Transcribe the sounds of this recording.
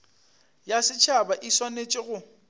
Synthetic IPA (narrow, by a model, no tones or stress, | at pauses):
jasɪt͡ʃʰabaʔiswanet͡ʃʼɪɣʊ